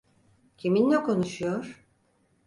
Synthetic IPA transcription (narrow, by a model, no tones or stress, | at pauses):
cʰiminːɛkʰo̞nuʃujoɾ̥